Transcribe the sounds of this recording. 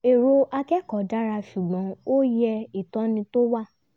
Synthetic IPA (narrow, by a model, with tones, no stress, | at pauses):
e˨ɾo˧a˧kɛ˦kɔ˨da˦ɾa˧ʃu˨ɡ͡bɔ̃˨˦o˦jɛ˧i˨tɔ̃˨˦nĩ˧to˦wa˦˨